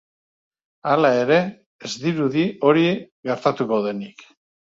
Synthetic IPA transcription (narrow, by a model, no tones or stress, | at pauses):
alae̞ɾe̞ | ezd̪iɾuðio̞ɾi | ɣe̞ɾt̪at̪uko̞ðe̞nik